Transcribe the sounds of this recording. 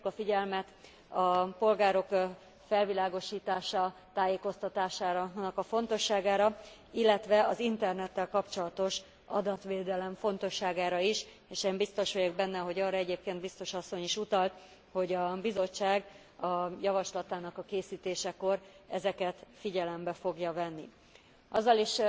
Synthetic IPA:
ukɒfiɟɛlmɛt̪ | ɒpo̞lɡaːɾo̞k | fɛlvilaːɡo̞ʃiːt̪aːʃɒt̪aːjeːko̞st̪ɒt̪aːʃaːɾnɒkɒfo̞nt̪o̞ʃːaːɡaːɾɒ | ilːɛt̪ʋɛɒzint̪ɛrnɛt̪ːɛlkɒpt͡ʃo̞lɒt̪o̞ʃ | ɒ̰d̪ɒt̪ʋeːd̪ɛlɛɱfo̞nt̪o̞ʃːaːɡaːɾɒiʃ | eːʃeːmbist̪o̞ʃʋojoɡbɛnːɛɦo̞ɟɒːrɒɛɟeːp̚keːnd̪̚bist̪o̞ʃɒsːo̞ɲiʃut̪ɒlt̪ | ho̞ɟɒbizo̞t͡ʃːaːɡ | ɒjɒvɒʃlɒt̪aːnɒkɒkeːsiːt̪eːʃɛko̞rɛzɛkɛt̪fiɟɛlɛmbɛfo̞ɡjɒvɛnːḭ | ʔɒzːɒliʃ

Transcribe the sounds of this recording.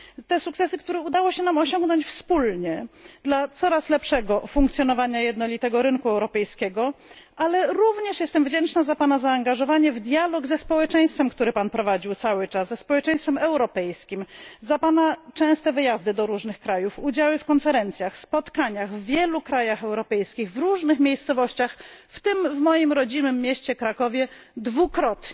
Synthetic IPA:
t̪ɛsuk̚t̪sɛsɘk̚t̪uɾɛud̪awɔɕɛnamɔɕɔŋɡnɔɲt͡ɕfspulɲɛd̪lat̪sɔɾaslɛpʂɛɡɔfuŋkt̪sʲjɔnɔvaɲajɛd̪nɔlʲit̪ɛɡɔɾɘnkuɛwɾɔpɛjskʲɛɡɔ | ʔalɛɾuvɲɛʂjɛst̪ɛmvd͡ʑɛnt͡ʂnazapanazaːŋɡaʐɔvaɲɛvd̪jalɔɡzɛspɔwɛt͡ʂɛj̃st̪fɛmkt̪uɾɘpanpɾɔvad͡ʑiwt̪sawɘt͡ʂaszɛspɔwɛt͡ʂɛ̃j̃st̪fɛmɛwɾɔpɛjskʲimzapanat͡ʂɛ̃w̃st̪ɛvɘjazd̪ɘd̪ɔɾuʐnɘxkɾajufud͡ʑawɘfkɔnfɛɾɛnt̪sʲjaxspɔt̪kaɲaɣvːʲjɛlukɾajaxɛwɾɔpɛjskʲiɣvɾuʐnɘxmʲejst̪sɔvɔɕt͡ɕaxft̪ɘmvmɔjimɾɔd͡ʑinɘmːʲjɛɕt͡ɕɛkɾakɔvʲjɛd̪vukɾɔt̪

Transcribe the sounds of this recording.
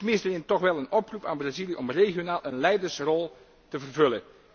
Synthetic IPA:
təmɪnstəlɪntɔxʋɛlˠənɔprupaːnbrazilijəʔɔmreːχjonaːlˠʔənlɛjdərsrɔlˠ | təvərvɵlən

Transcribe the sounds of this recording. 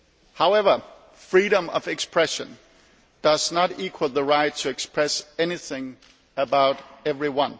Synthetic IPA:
haʊɛvə˞ | fɹiɾə̃mʌ̰vɨkspʰɹ̥ɛʃɨ̃n | d̥ʌz̥nəɾikʰwəl̩ˠðəɹaɪtʰːɨɨkspʰɹ̥ɛsɛniθɪ̃ŋ | əbaʊɾɛvɹiwʌ̃n

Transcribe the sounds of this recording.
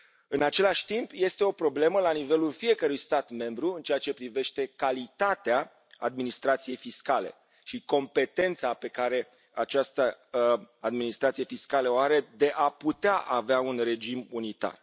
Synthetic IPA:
ɨnat͡ʃe̞laʃʲt̪impje̞st̪e̞o̞pɾo̞ble̞məlanive̞lulfije̞kəɾujst̪at̪mẽ̞mbɾuɨnt͡ʃeat͡ʃe̞pɾive̞ʃt̪e̞kalit̪at̪ea | ad̪minist̪ɾat̪sije̞jfiskale̞̰ | ʃiko̞mpe̞t̪e̞nt̪sape̞kaɾe̞ | at͡ʃast̪ə | ad̪minist̪ɾat̪sijefiskaləoaɾe̞d̪e̞ʔaput̪eaʔaveaunre̞d͡ʒimunit̪a̰r

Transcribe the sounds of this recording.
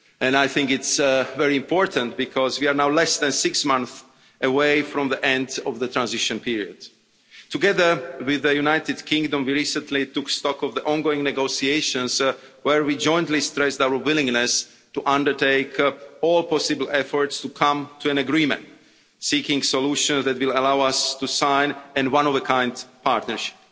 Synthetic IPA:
ɛ̃najθɪ̃ŋkɪtsvɛɹiɨ̃mpʰɔɹtə̃nt̚bikʰɔzwiaɹnaʊwlɛsðæ̃nsɪksmʌ̃nθ | ʔəweɪfɹɔ̃mðiʔɛ̃ndɔvðət̪ʰɹãnzɪʃə̃npiɹiəd̥̚ | tuɡɛðə˞wɪðəjunaɪt̪ɨdkʰɪ̃ŋɡdə̃mwiɹisə̃ntlit̪ukstɔkɔvðiʔɔ̃nɡoɪ̃ŋnɛɡosieɪʃə̃nzwɛɹwid͡ʒɔ̃j̃ntlistɹɛsdawə˞wɪlɪ̃ŋnɛs | tuʔʌ̃ndə˞teɪkɔlˠpɔsɪbl̩ˠɛfɔɹtstukʰãmtʰuæ̃nəɡɹĩmɛ̰̃nt | sikɪ̃ŋsɔluʃə̃nzðætwɪlˠəlawastusãɪ̃nɛ̃nwãnɔvəkʰãɪ̃ndpʰaɹtnəɹʃɪ̥p̚

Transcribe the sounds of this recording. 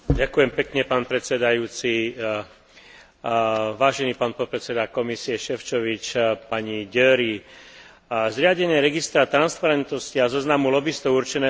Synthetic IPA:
ɟakujɛmpɛkɲɛpaːnpɾɛt̪sɛd̪ajuːt͡si | ʋaːʒɛniːpaːnpɔt̪̚pɾɛsɛd̪akɔmisiɛʃɛft͡ʃɔʋit͡ʃpaɲiɟɛːɾi | zɾɪaɟɛɲɪɛɾɛɡist̪ɾat̪ɾanspaɾɛnt̪nɔsciazɔznamulɔbist̪ɔʊuɾt͡ʃɛnɛː

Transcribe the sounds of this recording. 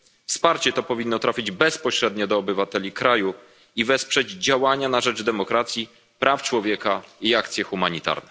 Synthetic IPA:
fspaɾt͡ɕɛt̪ɔpɔvʲinːɔt̪ɾafʲid͡ʑbɛspɔɕɾɛd̪ɲɔd̪ɔːbɘvat̪ɛlʲikɾaju | ivɛspʂɛd͡ʑd͡ʑawaɲanaʐɛd͡ʐd̪ɛmɔkɾat̪sʲji | pɾʔaft͡ʂwɔvʲjɛkaiakt̪sjɛxumaɲit̪a̰ɾnɛ

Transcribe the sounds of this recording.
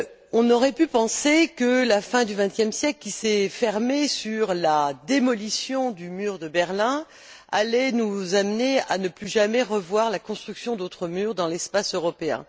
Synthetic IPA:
ɔ̃nɔʁɛpypɑ̃sekəlafɛ̃d̪yvɛ̃t̪jɛmsjɛklkʲisɛfɛʁmesyʁlad̪emɔlisjɔ̃d̪ymyːʁd̪əbɛʁlɛ̃ | alɛnuzamneanəplyʒamɛʁəvwaʁlakɔ̃st̪χyksjɔ̃d̪ot̪χəmyːʁd̪ɑ̃lɛspasøʁɔpeɛ̰̃

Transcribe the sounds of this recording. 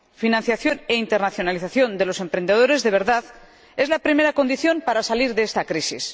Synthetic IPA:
finãnθjaθjo̞ne̞int̪e̞ɾnaθjo̞naliθaθjo̞nd̪e̞lo̞se̞mpɾend̪e̞ð̞o̞ɾe̞zðe̞βe̞ɾðað | e̞zlapɾime̞ɾako̞nd̪iθjo̞mpaɾasaliɾðeest̪akɾisis

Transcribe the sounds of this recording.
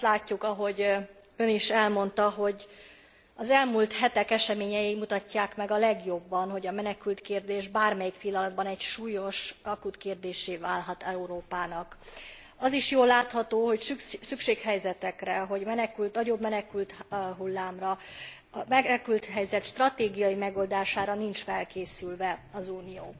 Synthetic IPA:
t̪laːcːukɒɦo̞ɟ | øniʃɛlmo̞nt̪ɒɦo̞ɟ | ɒzɛlmult̪hɛt̪ɛkɛʃɛmeːɲɛjimut̪ɒcːaːkmɛɡɒlɛɡjo̞bːɒnɦo̞ɟɒmɛnɛkylt̪keːrd̪eːʒbaːrmɛjikpilːɒnɒd̪bɒnɛcʃuːjo̞ʃɒkut̪keːrd̪eːʃeːvaːlɦɒt̪ɛuɾoːpaːnɒk | ɒziʃjoːlːaːt̪hɒt̪oːɦo̞csykʃeːkɦɛjzɛt̪ɛkrɛɦo̞ɟmɛnɛkylt̪nɒɟo̞bmɛnɛkylt̪ɦulːaːmrɒ | ɛkylt̪ɦɛjzɛt̪ʃt̪rɒt̪eːɡijɒjimɛɡo̞ld̪aːʃaːɾɒnint͡ʃfɛlkeːsylvɛɒzuːnijo̰ː

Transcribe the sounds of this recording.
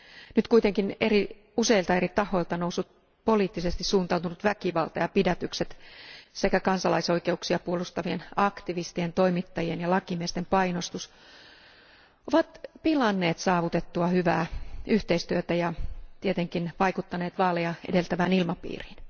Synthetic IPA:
nyt̪kuit̪eŋkineri | useilt̪ɑerit̪ɑho̞ilt̪ɑnousːut̪̚ | poliːt̪ːisest̪issuːnt̪ɑut̪unut̪ʋækiʋɑlt̪ɑjɑpidæt̪ykset̪sekækɑnsɑlɑiso̞ikeuksiɑpuolust̪ɑʋienɑkt̪iʋist̪ient̪oimit̪ːɑjienjɑlɑkimiest̪empɑinost̪us | oʋɑt̪pilɑnːeːt̪sɑːʋut̪et̪ːuɑhyʋæ̰ːyht̪eist̪yøt̪æjɑt̪iet̪eŋkinʋɑikut̪ːɑneːt̪ʋɑːlejɑḛdelt̪æʋæːnilmɑpḭːri̥ːn

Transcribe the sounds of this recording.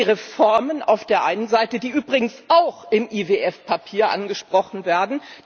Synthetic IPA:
ʁefɔɐmənʔa̰ʊfd̥eːɐʔaɪnənzaɪtədiːʔyːbʁɪɡŋ̩sʔaʊxɪmʔiveːʔɛfpʰapʰiːɐʔa̰nɡəʃpʁ̥ɔχn̩veːɐdn̩

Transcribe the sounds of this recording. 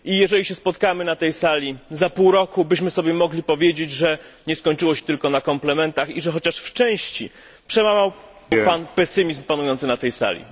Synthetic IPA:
ʔijɛʐɛlʲiɕɛspɔt̪kamɘnat̪ɛjsalʲizapuwɾɔkubɘɕmɘsɔbʲjɛmɔɡlʲipɔvʲjed͡ʑed͡ʑʐɛɲɛskɔɲt͡ʂɘwɔɕɛ̥t̪ɘlkɔnakɔmplɛmɛnt̪axiʐɛxɔt͡ɕaʂft͡ʂɛ̃w̃ɕt͡ɕḭ | pʂɛmamaw | panpɛsɘmʲizmpanujɔnt̪sɘnat̪ɛjsa̰lʲḭ

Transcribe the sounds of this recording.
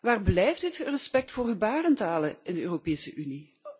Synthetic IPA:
ʋaːrblɛjftdɪtrɛspɛk̚tfoːrɦybaːrəntaːləʔɪndəøːropeːsəʔyni

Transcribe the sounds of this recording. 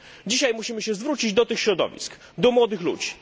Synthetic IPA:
d͡ʑiɕajmuɕimɘɕɛzvɾut͡ɕid͡ʑd̪ɔt̪ɘxɕɾɔd̪ɔ̰vʲḭsk | d̪ɔmwɔd̪ɘxlṵd͡ʑi

